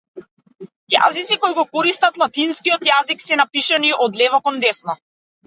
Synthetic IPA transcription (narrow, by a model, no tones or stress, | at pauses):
ja̰zit̪sikɔjɡɔkɔɾist̪at̪lˠat̪inskijɔt̪jaziksɛnapiʃaniʔɔd̪lɛvɔkɔnd̪ɛsnɔ